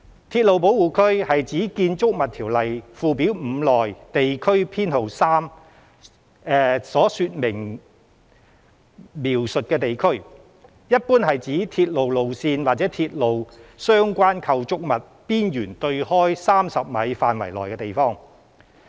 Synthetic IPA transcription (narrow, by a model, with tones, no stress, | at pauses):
t̪ʰiː˧t̚lo˨wp̬o˨˥wuː˨˩kʰɵ˥ɥhɐ˨jt͡siː˨˥kiː˧nt͡sʊ˥k̚mɐ˨t̪ʰiː˨˩wlɐ˨jfuː˧pi˨˥wm̩˨˧lɔː˨˩jt̪e˨jkʰɵ˥ɥpʰiː˥nho˨wsaː˥m | ɛ˧sɔː˨˥syː˧t̚mɪ˨˩ŋ | miː˨˩wsɵ˨t̚kɛː˧t̪e˨jkʰɵ˥ɥ | jɐ˥t̚puː˥nhɐ˨jt͡siː˨˥t̪ʰiː˧t̚lo˨wlo˨wsiː˧nwaː˨t͡sɛː˨˥t̪ʰiː˧t̚lo˨wsœː˥ŋkʷaː˥nkʰɐ˧wt͡sʊ˥k̚mɐ˨t̚piː˥njyː˨˩nt̪ɵ˧ɥhɔː˥jsaː˥msɐ˨p̚mɐ˨˧jfaː˨nwɐ̰˨˩jlɔː˨jkɛː˧t̪e˨jfɔː˥ŋ